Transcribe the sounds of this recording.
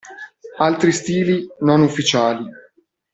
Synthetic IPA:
alt̪ɾist̪iːlinonufːit͡ʃaːli

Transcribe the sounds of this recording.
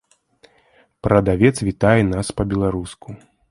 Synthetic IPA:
pɾɐd̪avʲɛt̪svʲit̪ajɛnaspɐbʲɛlˠaɾuskʰu

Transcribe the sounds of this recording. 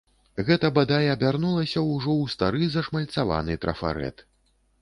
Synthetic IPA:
ɣɛt̪ɐbad̪ajɐbʲarnulˠɐsʲɐwʐɔwst̪aɾɨzɐʂmɐlʲt̪sava̰nɨt̪ɾɐ̰fa̰ɾɛ̰t̪

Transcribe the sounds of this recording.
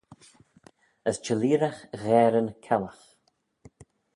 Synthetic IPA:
əst͡ʃəliːɾaxɣɛːɾənkʰɛləx

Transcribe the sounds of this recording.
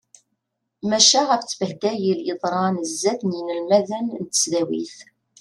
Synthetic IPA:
mæʃæʁæft͡sːbəhd̪æjəljəðˤɾˤɑnəzːæθnjinəlmæðænnt̪ə̥sðæwḭθ

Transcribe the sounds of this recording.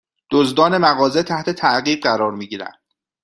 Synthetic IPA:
d̪̥ozd̪ɒːnemæɣɒːze̞t̪ʰæht̪ʰe̞t̪ʰæʔɢiːbɢæɾɒːɾmiːɟiːɾæ̰nd̪̥

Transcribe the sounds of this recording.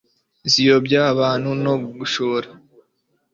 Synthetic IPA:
zijobɟaːβaːn̥huno̞ɡuʃoɾa

